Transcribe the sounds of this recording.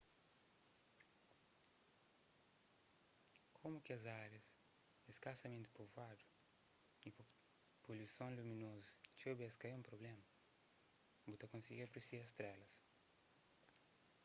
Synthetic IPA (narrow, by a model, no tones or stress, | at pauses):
kʰomukɪɐzaɾjɐs | eskasɐmẽnt̪ɪ̥povad̪u | i | polusõŋlumĩnozu̥t͡ʃewbɛskaiũmpɾoblemɐ | but̪ɐkõnsiɡiɾɐpɾesiɾɐst̪ɾɛlɐs